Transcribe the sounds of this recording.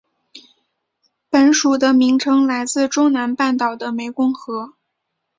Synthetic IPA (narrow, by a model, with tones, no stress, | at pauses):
pə˨˩˥nʂu˨˩d̪ə˦mi˧˥ŋʈ͡ʂʰɤ˥ŋla˧˥ɪt͡sɹ̩˥˧ʈ͡ʂʊ˥ŋna˧˥npa˥˩nt̪ɑ˨˩ʊd̪ə˦me˧˥ɪkʊ˥ŋxɤ˧˥